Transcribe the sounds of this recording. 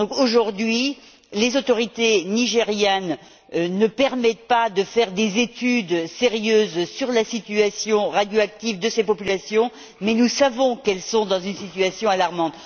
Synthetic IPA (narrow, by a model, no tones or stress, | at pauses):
d̪ɔ̃koʒuʁd̪ɥi | lezot̪ɔʁit̪eniʒeʁjɛn | ønəpɛʁmɛt̪̚pad̪əfɛʁd̪ezet̪yd̪seʁjøːzsyʁlasit̪yasjɔ̃ʁad̪joak̚t̪ivd̪əsepɔpylasjɔ̃ | mɛnusavɔ̃kɛlsɔ̃d̪ɑ̃zynsit̪yasjɔ̃alaʁmɑ̃t̪